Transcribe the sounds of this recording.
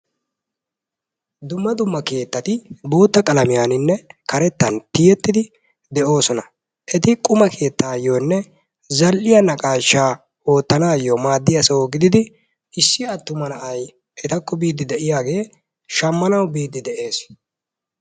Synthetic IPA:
d̪ʊmːɐd̪ʊmːɐke̞ːt̪ːɐt̪ɪbo̞ːt̪ːɐkʼɐlɐmɪjaːnɪnːɛkɐɾɛt̪ːɐnt̪ɪjɛt̪ːɪd̪ɪ | d̪ɛʔo̞ːsɔnɐ | ʔɛt̪ɪkʼʊmɐkʰe̞ːt̪ːaːjoːnːɛ | zɐlʔɪjɐnɐkʼaːʃːaː | o̞ːt̪ːɐnaːjomaːd̪ːɪjɐsɐoɡɪd̪ɪd̪ɪ | ɪsːɪjɐt̪ːʊmɐnɐʔɐj | ʔɛt̪ɐkːɔbiːd̪ːɪd̪ɛʔɪjaːɡe̞ː | ʃɐmːɐnɐwbiːd̪ːɪd̪ɛʔe̞ːs

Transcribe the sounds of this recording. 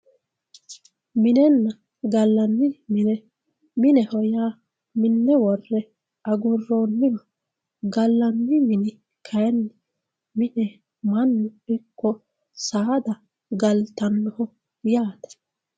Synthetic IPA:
mɪnɛnːɐ | ɡɐlːɐnːɪmɪnɛ | mɪnɛhɔjaː | mɪnːɛwɔrːɛ | ɐɡʊrːo̞ːnːɪwɐ | ɡɐlːɐnːɪmɪnɪ | kʰɐjɛnːɪ | mɪnɛ | mɐnːʊɪkːɔ | saːd̪ɐ | ɡɐlt̪ɐnːɔhɔ | jaːt̪ɐ̥

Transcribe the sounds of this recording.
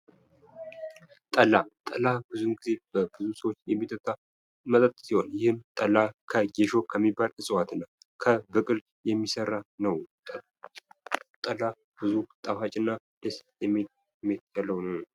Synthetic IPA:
t̪ʼəlːat̪ʼəlabɨzunɡize̞b̥əbɨzusəwot͡ʃːjɛmːit̪ʰːət̪ʰʼːa | mət̪ʼət̪ʼsiho̞njɪhɨmt̪ʼəlakʰəɡeʃo̞kʰəmːibːalɨsʼɨwat̪ɨnːa | kʰəbɨkʼɨl | jɛmːisərːanəwʼ | t̪ʼəla | b̥ɨzut̪ʼafat͡ʃʼɪnːa | d̪̥əsjɛme | mːet̪jalːəwnəw

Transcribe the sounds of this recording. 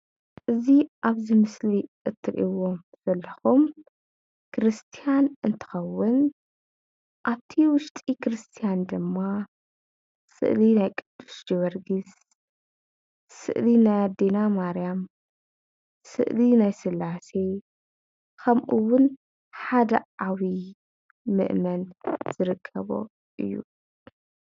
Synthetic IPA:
ʔɨziʔaβzimɨsliʔɨt̪ʰːɨɾʔiwom | z̥ɐlːɐxum | kʰɨɾɨst̪ʰijanʔɨnt̪ʰɨ̥xɐwːʊn | ʔaβt̪ʰiwʊʃt̪ʼikɾɨst̪ʰijand̪ɨmːa | sɨ̰ʔlinajkʼɨd̪̥ːu̥sd͡ʒβɐɾɡis | sɨ̰ʔlinajad̪enamaɾjam | sɨ̰ʔlinajsɨlːase | kʰɐmʔuwʊn | ħad̪ɐ̰ʔawi | mɨ̰ʔmɐnz̥ɨɾɨkʰːɐβo̰ | ʔɨjːṵ

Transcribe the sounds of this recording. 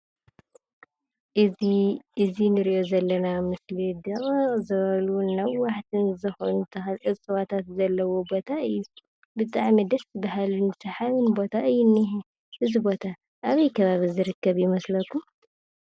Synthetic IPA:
ʔɨiʔɨzinɨɾiʔo̞zɐlːɐnamɨslid̪ɐqʼzɐβɐlunɐːaħt̪ʰɨnzɨxont̪ʰɐxɐʔɨsʼɨwat̪ʰat̪zɐlːɐwo̞bo̞t̪ʰaʔɨjːu | bɨt̪ʼaʕimid̪ɐsɨbaɦalunsɐħaβɨnbo̞t̪ʰaʔɨjːunːiɦ | ʔɨzibo̞t̪ʰa | ʔaβɐjkʰɐβaβizɨɾɨkːɐβjɪmɐslɐk̪ʰum

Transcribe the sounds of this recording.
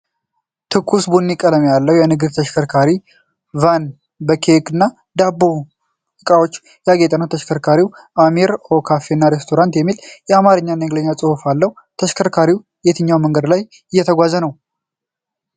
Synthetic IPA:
t̪ʰɨkʰːusbunːikʼələmjalːəwjɛnɨɡɨd̪t̪ʰəʃkʰəɾkʰaɾi | van | bəkʰekɨnːa | d̪abːo̞ | ɨkʼawo̞t͡ʃː | jaɡet̪ʼənəwt̪ʰəʃkʰəɾkʰaɾiwʔamiɾokʰafenːaɾest̪ʰo̞ɾant̪jɛmːiljɛamaɾɨɲːanːəɡləɲːat͡sʼɨhufalːəh | t̪ʰəʃkʰəɾkʰaɾiw | jet̪ʰɨɲːawməŋɡəd̪laj | ɨjːɛt̪ʰəɡʷazənəw

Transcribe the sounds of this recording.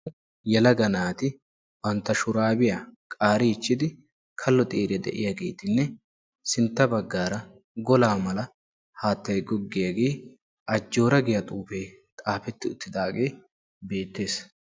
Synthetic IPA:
jɛlɐɡɐnaːt̪ɪ | bɐnt̪ːɐʃʊɾaːbɪjakʼaːɾɪɪt͡ʃːɪd̪ɪ | kʰɐlːɔt̪ʼeːɾɛd̪ɛ̰ʔɪ̰jaɡe̞ːt̪ɪnːɛ | sɪnt̪ːɐbɐɡːaːɾɐ | ɡɔlaːmɐlɐ | haːt̪ːɐjɡɔɡːɪjaɡe̞ː | ʔɐd͡ʒːo̞ːɾɐɡɪjɐt̪ʼuːfe | t̪ʼaːfɛt̪ːɪʊt̪ːɪd̪aːɡeː | be̞ːt̪ːe̞ːs

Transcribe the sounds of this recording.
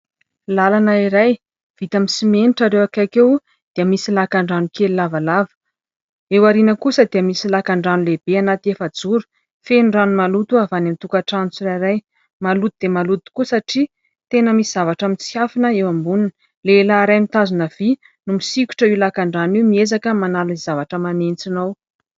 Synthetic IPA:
lalanaiɾaj | v̥it̪amisimeniʈ͡ʂaɾewakakew | d̪̥eəmisilakaɳɖ͡ʐanukelilavalavə̥ | ewaɾinəkusəd̪iəmisilakaɳɖ͡ʐanuleb̥eanat̪iefəd͡zuɾu̥ | fenuɖ͡ʐanumalut̪uavanamit̪ukaʈ͡ʂant͡suɾaɾaj | malut̪ud̪̥emalut̪i̥kuəsaʈ͡ʂi | t̪enəmisizavaʈ͡ʂəmit͡siafinəewambuninə | lelaːɾajmit̪azunəv̥i | numisikʲu̥ʈ͡ʂəilakaɳɖ͡ʐanimiezakəmanalizavaʈ͡ʂəmanent͡sinaw

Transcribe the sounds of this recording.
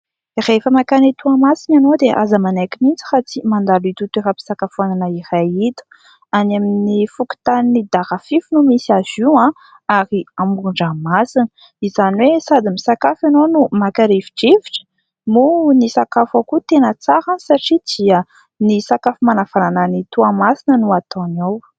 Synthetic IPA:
irefəmakanit̪uamasinanod̪eʔa̰zəmanekinint͡si̥hat͡simand̪alit̪ut̪efapi̥sakafuananəirajit̪u̥ | anaminifuki̥t̪aninid̪aʁafifunumisiaziã | aɾiamuuɳɖ͡ʐamasinə | izaniwesad̪imisakafanonumakaɾeviʈ͡ʂiviʈ͡ʂə̥ | munisakafakut̪enət͡saɾãnsaʈ͡ʂid̪̥iə | nisakafimanav̥anananit̪uamasinənuat̪onaw

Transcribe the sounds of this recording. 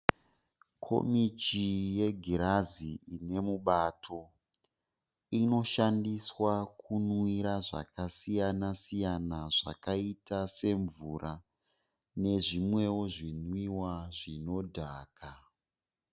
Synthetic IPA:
kʰo̞̰mitije̞ɡʱiɾaziine̞muɓatʰo̞ | ino̞ʃandiswakunwiɾaʐa̰kasijanasijanaʐa̰kaitase̞ɱvurʔa | ne̞ʐimwe̞woʐinwiwaʐino̞dʱaːka

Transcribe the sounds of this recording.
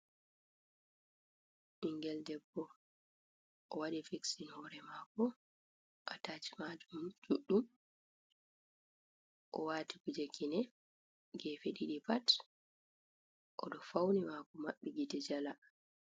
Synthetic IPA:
ʔiŋɡɛldɛbːɔ | ʔɔwaɗifiksinhɔɾɛmaːkɔ | ʔataːt͡ʃi̥mad͡ʒumd͡ʒuɗːum | ʔɔwaːtikud͡ʒekinɛ | ɡɛːfeɗiɗipat | ʔɔɗɔfawnimakɔmaɓːiɡitɛd͡ʒala

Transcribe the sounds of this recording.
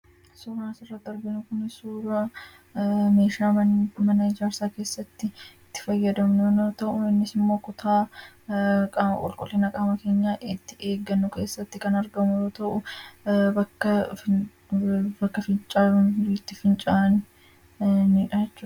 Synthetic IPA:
suːɾaːnsɪrːɐt̪ːɪɐɾɡɪnʊkʊnɪsuːɾaː | me̞ːʃaːmɐnɐɪd͡ʒaːɾsaːke̞ːsːɐt̪ːɪt̪ːɪ̥fɐjːɐd̪ɐmnːnoːt̪ɐʔʊɪnːɪsɪmːo̞ːkʊt̪ʰaː | kʼakʼɔ̰lkʼʊ̰liːnɐkʼaːmɐke̞ːɲːaːʔɪt̪ːɪ̥e̞ːɡːɐnːʊke̞ːsːɐt̪ːɪkɐnɐɾɡɐmʊɾoːt̪ɐʔʊ | bɐkːɐ | bɐkːɐfɪnt͡ʃʼaːʊnt̪ːɪfɪnt͡ʃʼaːnɪ | nɪᶑɐɛt͡ʃːuːɐ

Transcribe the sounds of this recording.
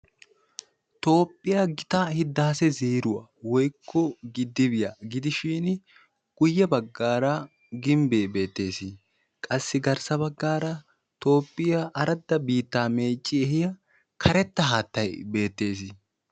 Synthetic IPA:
t̪o̞ːpʼːɪjaɡɪt̪ɐhɪd̪ːaːsɛziːɾʊwɐ̰wɔjkʰːɔɡɪd̪ːɪbɪjaɡɪd̪ɪʃiːn | ɡ̥ʊjːɐbɐɡːaːɾɐ | ɡɪmbeːbe̞ːt̪ːe̞ːsɪ | kʼɐsːɪɡɐɾsɐbɐɡːaːɾɐ | t̪o̞ːpʼːɪjaʔɐɾɐd̪ːɐbiːt̪ːaːme̞ːt͡ʃʼːɪɛhɪjɐ | kʰɐɾɛt̪ːɐɦaːt̪ːɐjbe̞ːt̪ːe̞ːs̬ɪ

